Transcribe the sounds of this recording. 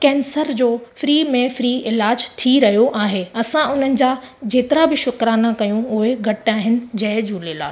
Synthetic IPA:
kɛːnsəɾd͡ʑoːfɾiːmẽfɾiːʔɪlaːd͡ʑt̪ʰiɾɐɦjoʔaːɦeɐsãʊn̤ənɪ̆d͡ʑaːd͡ʑeːt̪ɪɾabɪʃʊkɾaːnakɐjũʊɦeɡʱɐʈaːɦɪnɪ̆d͡ʑɐɦd͡ʑuːlela̰ː

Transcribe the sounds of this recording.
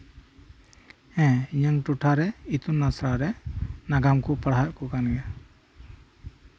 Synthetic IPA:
ɛ̃iɲəŋʈuʈʰaɾɛit̪unːasɾaɾɛnaɡamkupaɽɦaʔ̚kukanɡɛ

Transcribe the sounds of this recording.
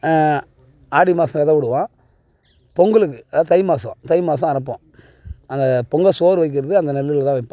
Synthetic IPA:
aːɽimaːsɐ̃ʋɛðɐʋʊɽɯʋãː | pɔŋɡɐlɯk̬ːɯɐðãːt̪ɐɪmaːsɐ̰̃t̪ɐɪmaːs̬ɐ̃ɐɾɐp̬ːõ | ɐnd̪ɐpɔŋɡɐsoːɾʋɐɪk̬ːɪɾɐðɯɐnd̪ɐnɛlːɯlɐt̪ãːʋɐɪpːõ

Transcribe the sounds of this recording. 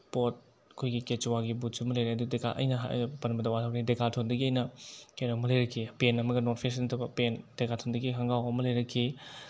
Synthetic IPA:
pot̚ | ɐkʰojɡiket͡ʃwaɡibusɐmɐlɐjɾeɐdudeka̰ʔɐ̰jnɐɦpɐnbɐdɐwatʰawknidekatʰondɐɡiɐjnɐkenomɐlɐjɾɐkʰːipenɐmɐɡɐnotpʰesntʰɐwbɐpendekatʰondɐɡiɦaŋɡawɐmɐlɐjɾɐkʰːi

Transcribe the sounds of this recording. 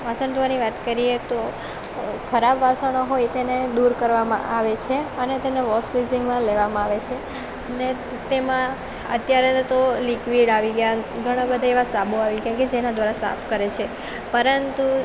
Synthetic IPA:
ʋasəɳt̪ʰuʋaniʋat̪kəɾijet̪o | kʰəɾabʋasəɽ̃oɦojt̪ened̪uɾkəɾʋamã̰ʔaʋet͡ʃʰeənet̪eneʋɔsbiziŋɡmãleʋamãaʋet͡ʃʰe | əne | t̪emã | ə̰t̪jaɾet̪olikʋiɽaʋiɡəjaɡʱəɽ̃ãbəd̪ʱaeʋasaboaʋiɡəjaked͡ʒenad̪ʋaɾasa̰pʰkəɾet͡ʃʰe | pəɾənt̪u

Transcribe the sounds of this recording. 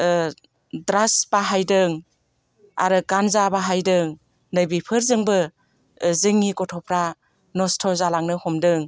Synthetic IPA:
dɾasbaɦajdɯŋ | a̰ɾɯkanzabaɦajdɯŋ | nɯjbipʰɯɾzɯŋbɯ | zɯŋːikɔtʰɔpʰɾa | nɔstʰɔzalaŋnɯhɔmdɯŋ

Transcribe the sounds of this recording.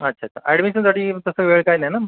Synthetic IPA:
ətːɕʰaːtːɕʰa̰ɛɽmiɕənd͡zaʈiːt̪əsəʋeɭkajnajna

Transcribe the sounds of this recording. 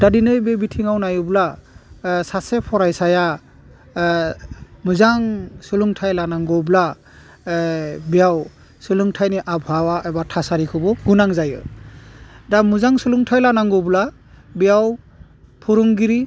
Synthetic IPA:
d̥adinɯjbebitʰiŋawnajɯbla | sasepʰɔɾajsaja | mɯzaŋsɯluŋtʰajlanaŋɡɔbla | bijaw | sɯlɯŋtʰajniʔabʱhawaʔebatʰasaɾikʰɯbɔɡunaŋzajɯ̰ | damɯzaŋsɯluŋtʰajlanaŋɡɔbla | bijaw | pʰuɾuŋɡiɾi

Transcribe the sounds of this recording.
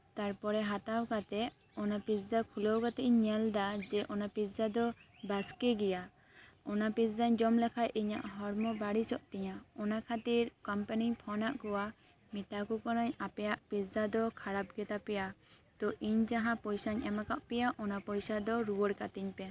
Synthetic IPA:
t̪aɾpɔɾɛɦat̪awkat̪ɛ | ɔnapisdakʰulɔwkat̪iʔɲɲɛld̪ad͡ʒɛʔɔnapisd͡ʒad̪ɔbaskiɡɛja | ɔnapisd̪aɲd͡ʒɔmlɛkʰajʔiɲa̰ʔɦɔɾmɔbaɽit͡ʃɔʔt̪ɛɲaɔnakʰat̪iɾkɔmpaniɲpʰɔnaʔkɔwa | mit̪akukɔnaɲapɛjaʔpisdad̪ɔkʰaɽapɡɛt̪apɛjat̪ɔʔiɲd͡ʒaɦãpɔjsaɲɛmakaʔpɛjaʔɔnapɔjsad̪ɔɾuwɔɽkat̪iɲpɛ

